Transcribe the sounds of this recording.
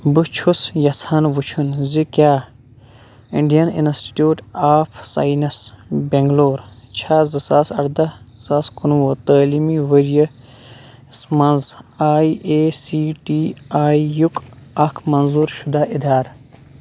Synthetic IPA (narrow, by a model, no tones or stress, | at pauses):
but͡ʃʰusjɐt͡sʰaːnʋut͡ʃʰunzikʲjaː | iɳɖijɐninsʈi̥ʈjuːʈaːpʰsa̰ːinɐsbeŋɡloːɾt͡ʃʰaːzɐsaːsɐɽd̪ɐ | z̥aːskunwot̪əːlimiʋəɾijɐ | smɐnzaːieːsiːʈiːaːijukɐkʰmɐnzuːɾʃud̪aːʔid̪ʱaːɾ